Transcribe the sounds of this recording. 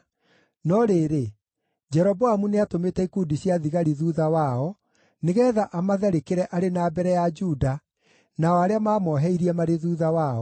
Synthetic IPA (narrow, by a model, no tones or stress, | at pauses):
nɔɾeɾe | d͡ʑɛɾɔbɔamuneatometɛikudiɕjaðiɣaɾiðuːðawaɔ | neɣɛːðaʔamaðɛɾekeɾɛʔaɾenabɛɾɛjad͡ʒuda | naɔaɾeamaːmɔɦɛiɾiɛmaɾeðuːðawaɔ